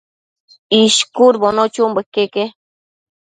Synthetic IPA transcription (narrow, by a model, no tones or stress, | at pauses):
iʃkuɾbonot͡ʃumbekːeke